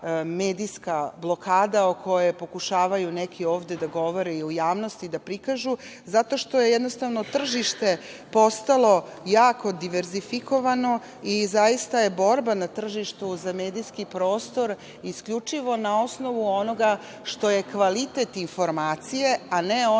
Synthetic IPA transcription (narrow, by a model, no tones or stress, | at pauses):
meːd̪iskablˠo̞kaːd̪aokʰo̞jepo̞kuʃaːʋajunekʰio̞ːʋd̪e̞d̪aɡo̞ʋo̞ɾeiujaːʋno̞st̪id̪apɾikaʒu | zat̪o̞ʃt̪o̞je̞jɛd̪no̞st̪aʋno̞t̪r̩ʒiʃt̪e̞ | po̞st̪alo̞jaːkʰo̞d̪iʋeɾzifiko̞ʋano̞ | izajist̪ajebo̞ɾbanat̪r̩ʒiʃt̪uzame̞ːd̪iskipɾo̞ːst̪o̞ɾ | iskʎʲut͡ʂiʋo̞nao̞sno̞ʋuono̞ɡa | ʃt̪o̞je̞kʋalit̪et̪info̞ɾmaːt̪sije̞aneo